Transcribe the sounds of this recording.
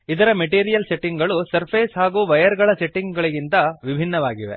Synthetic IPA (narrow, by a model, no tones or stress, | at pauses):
id̪ɐɾɐmeʈiːɾijɐlse̞ʈːiŋɡɡɐɭusɐɾpʰeːsɦaːɡuːʋɐjɐɾɡɐɭɐseʈːiŋɡɐɭiɡint̪ɐʋibʱinːɐʋaːɡiʋe̞̰